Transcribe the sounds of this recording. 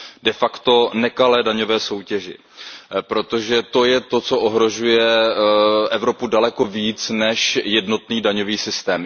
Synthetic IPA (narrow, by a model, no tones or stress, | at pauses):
dɛfakt̪o̞nɛkalɛːdaɲo̞vɛːso̞wcɛʒɪ̰ | pɾo̞t̪o̞ʒɛt̪o̞jɛt̪o̞t͡so̞ʔoɦɾo̞ʒujɛ | ʔɛvɾo̞pudalɛko̞viːt͡snɛʃjɛdno̞t̪niːdaɲo̞viːsɪst̪ɛːm